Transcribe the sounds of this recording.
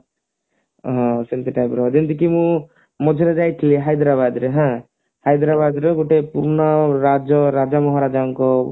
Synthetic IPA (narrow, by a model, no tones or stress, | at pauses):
ɦɔ̃sint̪iʈajpɾɔd͡ʒind̪ikimũ | mɔd͡ʒʱeɾed͡ʒajt̪ʰiliɦajd̪ɾabad̪ɾeɦã | hajd̪ɾabad̪ɾeɡoʈepuɾnɔɾad͡ʒɔɾad͡ʒamɔɦaɾad͡ʒaŋkɔ